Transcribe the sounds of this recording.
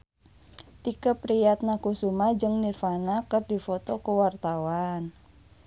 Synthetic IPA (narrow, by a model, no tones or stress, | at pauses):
t̪ikəpɾijat̪̚nakusumad͡ʒɨŋnirfanakərdifɔt̪ɔkəwart̪awan